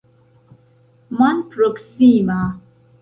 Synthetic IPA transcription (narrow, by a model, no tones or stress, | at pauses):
manpɾoksima